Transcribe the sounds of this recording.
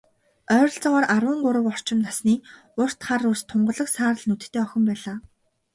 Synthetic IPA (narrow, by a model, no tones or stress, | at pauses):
œːɾɞ̆ɬt͡sɔʁɔːɾarwə̆ŋɢʊɾə̆wɔr̥t͡ɕɪ̆mnasniː | ʊr̥t̪χarust̪ʰːʊɴɢɞ̆ɮə̆ksaːɾə̆ɮnut̪̆t̪ʰːeːœxʲɪ̆mpæːɮaː